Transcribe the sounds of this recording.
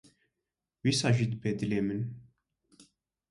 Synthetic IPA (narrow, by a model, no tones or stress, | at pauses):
wisɑʒid̪bɛd̪lemən